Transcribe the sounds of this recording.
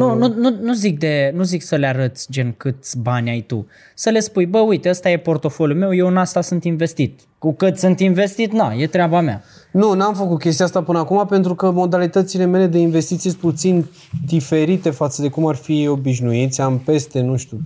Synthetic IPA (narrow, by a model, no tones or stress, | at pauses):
nunununuzik̚d̪e̞nuziksəleaɾət̪sʲd͡ʒe̞nkɨt̪sʲbanʲajt̪ṵ | səle̞spujbəujt̪eəst̪aje̞po̞rt̪o̞fo̞lʲjume̞wje̞wɨnast̪asɨnt̪inve̞st̪it̪̚ | kukɨt̪ʲsɨnt̪inve̞st̪it̪naje̞t̪ɾeabamea̰ | nunamfəkut̪̚kʲest̪iast̪apɨnəakumapent̪ɾukəmo̞d̪alit̪ət̪sile̞mele̞d̪e̞inve̞st̪it̪sijst̪put̪sin | d̪ife̞ɾit̪e̞fat̪səd̪e̞kumarfio̞biʃnuit̪sʲampe̞st̪e̞nuʃt̪ju